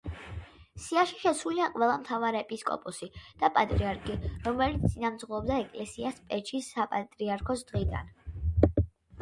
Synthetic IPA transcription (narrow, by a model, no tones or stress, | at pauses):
siaʃiʃɛsuliaqʼwɛlˠamt̪ʰavaɾɛɛpʼiskʼɔ̰pʼusid̪̥apʼat̪ʼɾiaɾkʰiɾɔmɛlit̪sʼinamt̪sʼʁɔːbd̪aɛkʼlɛsiaspʼɛt͡ʃʰisːapʼat̪ʼɾiaɾkʰɔsd̪̥ʁid̪a̰n